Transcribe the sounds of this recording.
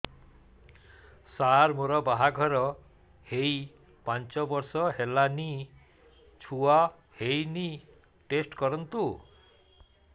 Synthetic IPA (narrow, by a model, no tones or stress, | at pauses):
saɾmoɾɔbaɦaɡʱɔɾɔ | hej | pant͡ʃɔbɔɾsɔɦelani | t͡ʃʰua | hejni | ʈesʈkɔɾɔnt̪u